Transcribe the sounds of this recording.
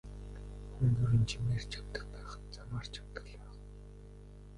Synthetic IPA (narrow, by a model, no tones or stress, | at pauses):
xunt̪uɾĭnt͡ɕʰimeːr̥t͡ɕʰḁwt̪ə̆xpæːχə̥̆t̪t͡samaːr̥t͡ɕʰawt̪ə̆ɮæːχ